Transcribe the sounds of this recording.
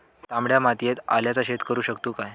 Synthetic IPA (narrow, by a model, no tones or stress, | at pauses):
t̪amɽjamat̪ijet̪a̰ljat͡saɕet̪kəɾuːɕəkt̪uːkaj